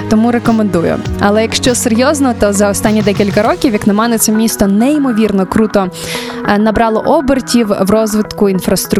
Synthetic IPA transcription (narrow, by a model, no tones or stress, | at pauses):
t̪ɔmuɾekɔmend̪ujʊ̰ɐlˠɛjɐkʃt͡ʃɔseɾʲjɔznɔɔt̪ɔzɐɔst̪ɑnʲːid̪ɛkʲilʲkɐɾɔkʲiwjɐknɐmɛnɛt̪sɛmʲist̪ɔnɛimɔʋʲirnɔkɾut̪ɔ | nɐbɾɑlˠɔʔɔbɪrtʲiwʋrɔzʋɪt̪kʊinfɾɐst̪ɾʊ